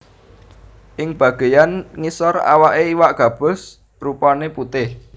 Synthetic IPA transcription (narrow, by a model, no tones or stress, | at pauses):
ʔɪŋb̥ä̤ɡ̥e̤janŋisɔra̰waʔeiwaʔɡ̥ä̤b̥ʊ̤s | rupɔneput̪ɪh